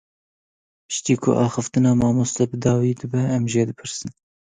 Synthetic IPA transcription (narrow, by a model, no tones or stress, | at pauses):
pɨ̥ʃt̪iːkʰʊ̰ʔɑːxɨft̪ɨnɑːmɑːmoːst̪ɛbɨd̪ɑːwiːd̪ɨbɛɛmʒeːd̪ɨpʰɨɾsɨn